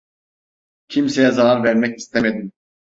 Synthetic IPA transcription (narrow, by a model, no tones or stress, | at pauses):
cʰimsejɛzalaɾvæɾmɛci̥st̪ʰeme̞d̪im